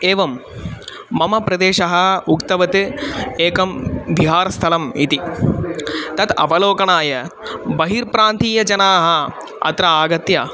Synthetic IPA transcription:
eːʋɐmː | ɐmɐpɾɐd̪eːʂɐɦɐ̆ukt̪ɐʋɐt̪ɨeːkɐmbʱiɦaːɾɐst̪ʰɐlɐmit̪i | t̪ɐt̪ɐ̰ʋɐloːkɐɳaːjɐbɐɦiɾpɾaːnt̪iːjɐd͡ʒɐnaːɦɐ | ɐ̰t̪ɾɐaːɡɐt̪jɐ

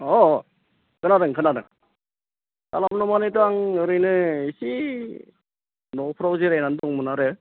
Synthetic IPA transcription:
ɔ | kʰɯnadɯŋkʰɯnadɯ̰ŋ | ka̰lamnɔmanetuaŋɯɾɯjnɯisi | nɔpʰɾawzeɾajnandɔŋmɯnaɾɯ

